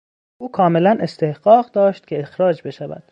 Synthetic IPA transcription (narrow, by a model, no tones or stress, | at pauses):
ʔuːkʰɒːme̞lænʔe̞st̪e̞hɢ̥ɒːɢd̪ɒːʃt̪cʰe̞exɾɒːd͡ʒbe̞ʃævæ̰d̪̥